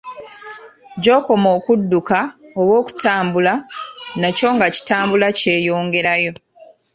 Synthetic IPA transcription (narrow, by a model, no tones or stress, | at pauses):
ɟo̞ːko̞mo̞ːkudːukao̞βwo̞ːku̥taːmbulanaco̞ŋɡaci̥taːmbulace̞ːjo̞ːŋɡe̞ɾajo̞